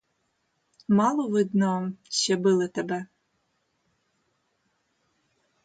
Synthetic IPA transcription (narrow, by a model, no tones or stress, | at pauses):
mɑlˠɔʋɪd̪nɔʃɛbɪlˠɪt̪ɛbɛ